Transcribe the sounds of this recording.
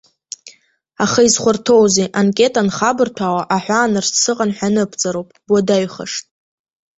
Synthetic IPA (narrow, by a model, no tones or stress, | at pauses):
aχaizχʷʊrtʰo̞wzeʔankʼe̞tʼanχabɨrtʷʰawaʔaħʷᶣaːnɨrsɨqʼanħʷᶣanɨpʰt͡sʼaɾowpʼbodaɥχa̰ʂtʼ